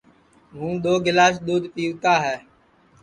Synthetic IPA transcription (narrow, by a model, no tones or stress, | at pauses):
mũːɗ̪oːɡɪlaːs̬d̪uːd̪piːuːt̪aːɦɛː